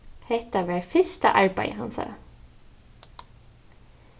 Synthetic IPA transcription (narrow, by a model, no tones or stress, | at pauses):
hɛt̪ɑʋæːɹfɪst̪ə̰ʔɑɹbæ̰ɪhɑ̰nsɑ̰ːɾə